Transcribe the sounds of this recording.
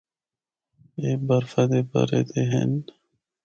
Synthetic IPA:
eːbɐɾfɐd̪ebɐ̰ɾḛt̪eɦḛn

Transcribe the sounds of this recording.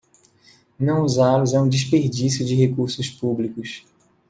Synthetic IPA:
nɐ̃w̃uzalʊzɛũd͡ʒɪs̬peɾd͡ʒisjʊd͡ʒɪɦekuɾsʊspublikʊs

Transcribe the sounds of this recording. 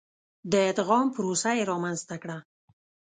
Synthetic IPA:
d̪əɪd̪ɣɑmpəɾosajeɾɑmanzt̪akɽa

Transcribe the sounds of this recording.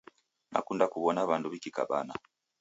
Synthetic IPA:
na̰kundakuβɔnaβanduβikika̰ɓa̰na

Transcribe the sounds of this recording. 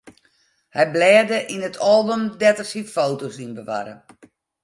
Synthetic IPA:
hɛjblɛːdəʔinətʰɔlˠbømdɛtərsifowtosinbəʋa̰ɾə̰

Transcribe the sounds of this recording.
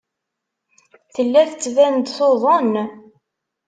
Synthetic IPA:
θəlːæθət͡sːvænd̪θoðˤən

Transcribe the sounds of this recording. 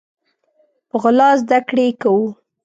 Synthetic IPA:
pəɣʊlɑzd̪akɽekawu

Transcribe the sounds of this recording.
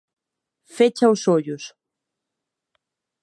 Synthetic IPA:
fet͡ʃausoʎʊs

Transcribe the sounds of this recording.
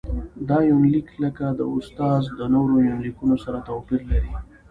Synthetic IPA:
d̪ɑjʊnlikləkad̪ə̰ʊst̪ɑzd̪ənoɾojʊnlikunosaɾat̪awpiɾlaɾi

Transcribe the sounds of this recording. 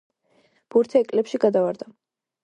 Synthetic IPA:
b̥uɾt̪ʰɛːkʼlɛpʃiɡad̪avaɾd̪a

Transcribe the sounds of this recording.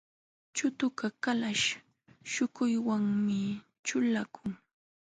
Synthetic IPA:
t͡ʃʊt̪ʊkakalaʃ | ʃʊkʊjwaŋmɪ | t͡ʃʊlakʰʊŋ

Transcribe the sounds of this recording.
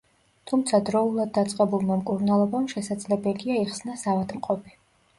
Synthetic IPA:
t̪ʰumt̪sʰad̪ɾɔulˠad̪̚ːat̪sʼqʼɛbulˠmamkʼuɾnalˠɔbamʃɛsad̪zlɛbɛliaiχsnasavad̪mqʼɔpʰi̥

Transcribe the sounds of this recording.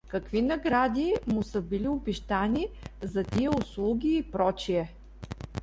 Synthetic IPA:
kɐkvinɐɡɾad̪ʲimʊsəbiliʊbiʃt̪anʲizɐt̪iɛʊslˠuɡʲiːpɾɔt͡ʃiɛ

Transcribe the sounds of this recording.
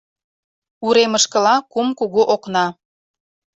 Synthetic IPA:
uɾeməʃkə̆lɑkumkuɣuʔoknɑ

